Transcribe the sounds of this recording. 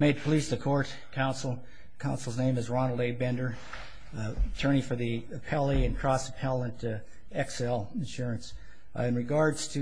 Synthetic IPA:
meɪd̚pʰəlisðɨkʰɔɹt̚ | kʰãʊ̃nsl̩ˠ | kʰãʊ̃nsl̩ˠznẽɪ̃mɨzɹɑnl̩ˠdeɪbɛ̃ndə˞ | ətʰɜ̃˞ɾ̃ifə˞ðiɨpʰɛlˠiɨ̃nkʰɹ̥ɑsə̥pʰɛlˠə̃nt | ɛksɛlˠɨ̃nʃʊɹɨ̃ns | ɨ̃nɹɨɡɑɹdz̥tʰɨ

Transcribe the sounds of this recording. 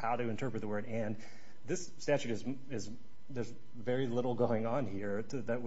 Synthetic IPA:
haʊɾɨɨ̃ntʰɜ˞pɹɨt̪̚ðəwɜ˞ɾɨ̃n | ðɪsːtæt͡ʃʉɾɨz | ɪz | ðə˞z | vɛɹilɪɾl̩ˠɡoʊɪ̃ŋə̃nhiɹʰ | ɨðɨt̚w

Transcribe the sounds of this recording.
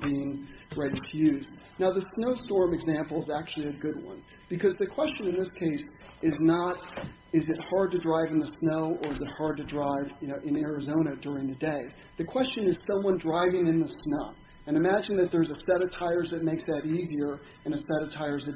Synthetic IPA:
biɪ̃ŋɹaɪɾitʰɨjʉzd | naʊðɨsnoʊstɔɹmɨɡzæ̃mpl̩ˠzæk̚t͡ʃʉl̩ˠiɨɡʊd̚wʌ̰̃n | b̥ɨkʰʌzðɨkʰw̥ɛst͡ʃɨ̃nɨ̃nðɪskʰeɪs | ɪznəɾ | ɪzɨt̚hɑɹd̚tɨdɹaɪvn̩ðɨsnoʊʔə˞ɨzɨt̚hɑɹd̚tɨdɹaɪvjɨnoʊʔɨ̃nɛɹɨzõʊ̃ɾ̃ɨdʊɹɪ̃ŋðɨdeɪ | ðɨkʰw̥ɛst͡ʃɨ̃nɨz̥sʌ̃mwʌ̃ndɹaɪvɪ̃ŋɨ̃nðɨsnoʊ | ɨ̃nɨmæd͡ʒɨ̃nðɨt̪̚ðə˞zɨsɛɾʌv̥tʰaɪə˞zðɨt̚meɪksɨɾiziə˞ | ɨ̃ñɨsɛɾʌv̥tʰaɪə˞zðɨt

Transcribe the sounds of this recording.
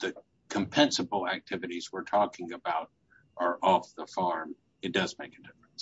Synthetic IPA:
ðɨ | kʰɨ̃mpʰɛ̃nsəbl̩ˠæk̚tʰɪvɨɾizwəɹtʰɔkɪ̃ŋɨbaʊɾ | ʔə˞ʔɔfðəfɑɹm | ɨt̚d̥ʌzmeɪkɨdɪfɹə̃ns

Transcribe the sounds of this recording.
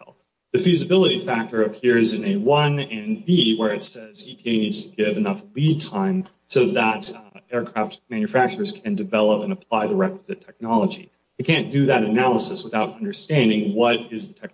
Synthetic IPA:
lˠ | ðɨfizɨbɪlˠəɾifæk̚tə˞ɨpʰɪɹzɨ̃nɨwʌ̃nɨ̃nbiwə˞ɨtsɛzipʰieɪnidz̥tʰɨɡɪvɨnʌflid̚tʰãɪ̃m | soʊðəɾɛɹkʰɹ̥æftmæ̃njɨfæk̚t͡ʃə˞z̥kʰɨ̃ndɨvɛlˠəpə̃nəpʰl̥aɪðəɹɛkwəzɨtʰɛk̚nɑlˠəd͡ʒḭ | ɨkʰæ̃nd̥ɨðɨɾɨnælˠəsɨswəθaʊɾʌ̃ndə˞stæ̃ndɪ̃ŋwʌɾɪzðɨtʰɛk̚

